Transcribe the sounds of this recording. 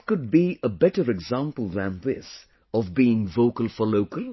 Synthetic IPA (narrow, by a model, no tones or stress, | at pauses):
kʊd̚biəbɛʈəɹɨɡzæ̃mpəl̩ˠðæ̃nðɪs | ɔvbiɪ̃ŋvoʊkəl̩ˠfə˞loʊkəlˠ